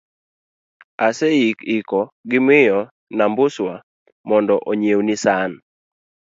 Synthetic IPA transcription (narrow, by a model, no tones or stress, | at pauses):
asɛikɪkɔɡɪmɪjɔ | nambʊswa | mɔndɔʔoɲewnɪsan